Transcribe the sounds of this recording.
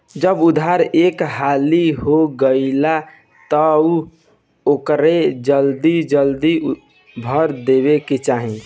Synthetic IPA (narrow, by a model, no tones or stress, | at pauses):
d͡ʒəbud̪ʱaɾekɦaliɦoɡəɪla | t̪əu | okɾed͡ʒəld̪id͡ʒəld̪i | bʱəɾd̪ebeket͡ʃaɦĩ